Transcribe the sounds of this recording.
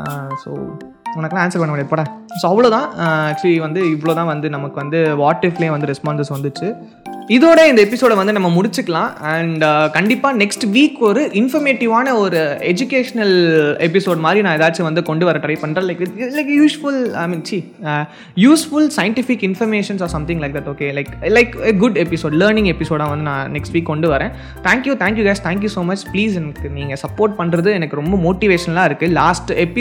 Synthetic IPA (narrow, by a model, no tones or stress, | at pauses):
so̰ː | ʊnɐkːlãaːnsɐɾpɐɳɐmːɽiaːðpoːɽɛ̃ːsoːɐʋːɐɭoːt̪ãːæːk̚t͡ʃliʋɐnd̪ɯɪʋːɐɭoːt̪ãːʋɐnd̪ɯnɐmɐkːɯʋɐnd̪ɯʋaːʈːɪfleeːʋɐnd̪ɯɾɛspaːnsɛsʋɐnd̪ɯt͡ʃːɯ | ɪðoːɽɐɪnd̪ɐɛp̬ɪsoːɽʋɐnd̪ɯnɐmːɐmʊɽɪt͡ʃːɯkːɐɭãːɛɳɖkɐɳɖɪpːaːnɛksʈʋiːkɔɾɯʔɪnfɐɾmeːʈɪʋaːnɐɔɾɯɛd͡ʒʊkeːʂɐnɐlɛpɪsoːɖmaːd̪ɾinãːɛðaːt͡ʃːɯʋɐnd̪ɯkɔɳɖɯʋɐɾɐ̃ʈɾɐɪpɐɳːɾɐ̃lɐɪkʋɪlɐɪkjuːsfʊlaɪmiːnsiː | juːsfʊlsɐɪɳʈɪfɪkːɪnfɐɾmeːʂɐ̃nsɔːɾsɐ̃mt̪ɪ̃ŋlɐɪk̚d̪ɐʈoːkeːlɐɪklɐɪkeɡʊɖɛpɪsoːɖlɐːɾnɪ̃ŋɡɛpɪsoːɽãːʋɐnd̪ɯnãːnɛksʈʋiːkːɔɳɖɯʋɐɾẽː | t̪ʰæ̃ːŋkjuːt̪ʰæ̃ːŋkjuːɡɐɪst̪ʰæ̃ːŋk̬jusoːmɐt͡ʃpliːsɛnɐkːɯniːŋɡɐsɐpːoːɾʈ̚pɐɳɾɐðɯɛnɐkːɯɾɔmbɐmoːʈiʋeːʃɐnɐlãːɪɾɯkːɯlaːsʈɛpɪ